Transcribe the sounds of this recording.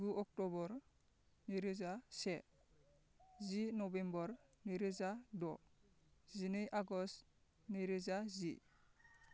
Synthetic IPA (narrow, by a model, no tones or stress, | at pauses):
ɡuʔɔk̚tɔbɔɾ | neɾezase | zinɔbembɔɾniɾezadɔ | zinejʔaɡɔst | neɾezazi